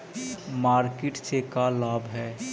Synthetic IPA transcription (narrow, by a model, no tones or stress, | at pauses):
maːɾkɪʈsekalaːbɦɛː